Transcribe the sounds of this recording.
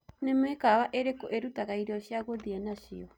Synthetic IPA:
nɛmɛkaβaʔɛɾɛkɔʔɛɾutakaiɾiɔʃiaɣɔðiɛnaʃḭɔ

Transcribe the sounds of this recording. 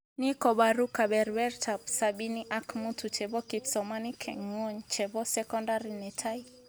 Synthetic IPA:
nikɔɓaɾukaɓɛɾwɛɾtʰabsaɓiniʔakmutʰut͡ʃɛbɔkipsɔmanikʰɛ̰ŋɔɲt͡ʃɛbɔsɛkɔndaɾinɛtʰai

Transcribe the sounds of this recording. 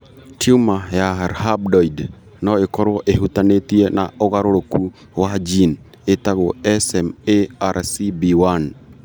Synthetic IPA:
tiumajaɾhab̚dɔid | nɔekɔɾwɔʔeɦutanetiɛnaoɣaɾoɾoku | wad͡ʒin | etaɣoɛsɛmeaɾsibiwan

